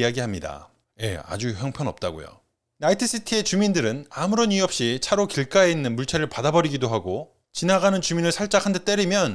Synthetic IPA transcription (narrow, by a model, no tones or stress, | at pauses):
aɡiɦamɲida̰ | je̞̰a̰d͡ʑuçjʌŋpʰjʌnʌ̰p̚t͈aɡo̰jo̰ | naitʰis͈ʰitʰie̞t͡ɕumindɯɾɯnamuɾoniʌp̚ɕ͈it͡ɕʰaɾokiɭk͈ae̞inːɯnmuɭt͡ɕʰeɾɯɭpadabʌɾiɡidoɦaɡo | t͡ɕinaɡanɯnt͡ɕuminɯɭsʰaɭt͡ɕ͈akʰandet͈e̞ɾimjʌn